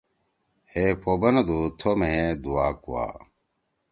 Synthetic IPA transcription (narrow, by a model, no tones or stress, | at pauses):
hepʰoːbɐnɐd̪ut̪ʰomeɦed̪uaːkṵwa̰ː